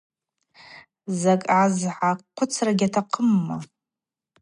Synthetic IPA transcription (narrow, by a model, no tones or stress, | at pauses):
zakʼʕazʕaqʷʰʊt͡sʰraɡʲatʰaqʰəmːa